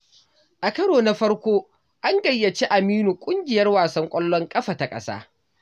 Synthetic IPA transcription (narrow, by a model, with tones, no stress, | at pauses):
ʔa˨kɐ˦ɽoː˨na˦ɸɐ˦ɽkʷoː˦ | ʔa˦ŋɡɐ˨jːɐ˨t͡ʃi˦ʔa˨miː˦nu˨kʷʼʊ˦ŋɡʲɪ˨jɐ˦rwaː˨sɐ˦ŋkʷʼɔ˦lːɔ˦ŋkʼɐ˦ɸa˨ta˨kʼɐ̰˦sa̰ː˦